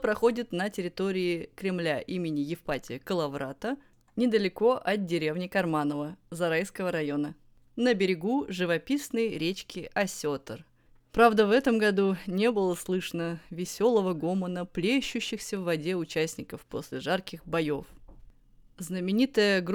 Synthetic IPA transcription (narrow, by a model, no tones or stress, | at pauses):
pɾɐxo̞dʲɪt̪nətʲɪɾʲɪt̪o̞ɾʲɪːkɾʲɪmlʲaʔimʲɪnʲɪjɪfpatʲɪjəkəlˠɐvɾat̪ə | nʲɪd̪əlʲɪko̞ʔɐt̪̚dʲɪɾʲe̞vnʲɪkɐrmanəvəzɐɾajskəvəɾɐjo̞nə | nəbʲɪɾʲɪɡuʐɨvɐpʲisnəjɾʲet͡ɕkʲɪʔɐsʲot̪ər | pɾavd̪əvɛt̪əmɡɐd̪unʲe̞bɨlˠəslˠɨʂənəvʲɪsʲo̞lˠəvəɡo̞mənəplʲeɕːʉɕːɪxsʲəvːɐdʲe̞ʊt͡ɕæsʲnʲɪkəfpo̞̰sʲlʲɪʐarkʲɪxbɐjo̞f | znəmʲɪnʲit̪əjəɡ